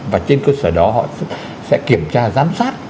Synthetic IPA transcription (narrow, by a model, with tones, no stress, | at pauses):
vaː˨˩t͡ɕe˧nkəː˧səː˧˩ɗɔ˨˦ɦɔ̰˧˨˥ | sɛ̰˧˥ki˧˩əmt͡ɕaː˧zaː˨˦msaː˦˥t̚